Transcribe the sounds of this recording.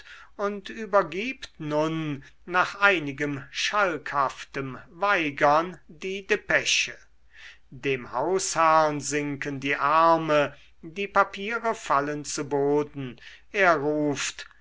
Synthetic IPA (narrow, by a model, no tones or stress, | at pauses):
ʊntyːbɐɡiːptnʊnː | aːχʔaɪnɪɡəmʃalkhaftəmvaɪɡɐndiːdepɛʃə | deːmhaʊshaɐnzɪŋkəndiːʔaɐmə | diːpapʰiːʁəfalənt͡suboːdn̩ | ʔeːɐʁuːft